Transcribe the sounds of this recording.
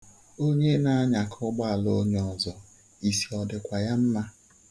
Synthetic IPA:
o˦ɲe˦na˦a˦ɲa˨kʰɔ˦ɡ͡ba˦a˨lo˦ɲ˦ɔ˨zɔ˨ | i˨si˨ɔ˨dɪ˨kʷa˨ja˦m̩˦ma˦

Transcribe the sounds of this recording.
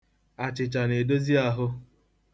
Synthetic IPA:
a˨t͡ʃɪ˨t͡ʃa˨ne˨do˦zi˦a˦ɦʊ˦

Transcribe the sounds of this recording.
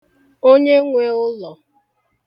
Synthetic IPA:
o˦ɲe˦ŋʷe˨ʊ˦lɔ˨

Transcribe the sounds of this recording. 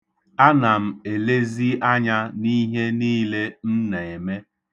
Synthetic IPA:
a˦na˨m̩˨e˨le˦zi˦ʔa˦ɲa˦ni˦ɦe˦niː˦le˦n̩˦ne˨e˨me˦

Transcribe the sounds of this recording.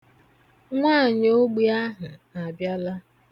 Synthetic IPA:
ŋʷaː˦˨ɲ˦o˦ɡ͡bi˦a˦ɦʊ˨a˨bja˦la˦

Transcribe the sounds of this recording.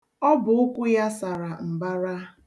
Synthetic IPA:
ɔ˦bʊ˨ʊ˦kʷʊ˦ja˦sa˨ɾa˨m̩˨ba˦ɾa˦

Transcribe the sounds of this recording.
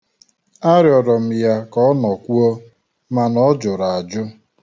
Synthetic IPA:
a˦ɾjɔ˨ɾɔ˨m̩˨ja˦kɔ˦ɔ˦nɔ˨kʷu˦o˦ | ma˨nɔ˦d͡ʒʊ˨ɾa˨a˨d͡ʒʊ˦

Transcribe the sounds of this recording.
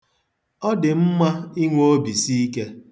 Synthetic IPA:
ɔ˦dɪ˨m̩˦ma˦i˦ŋʷo˦bi˨si˦i˦ke˦

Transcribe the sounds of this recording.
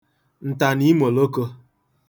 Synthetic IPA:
n̩˨ta˨ni˦mo˨lo˦ko˦

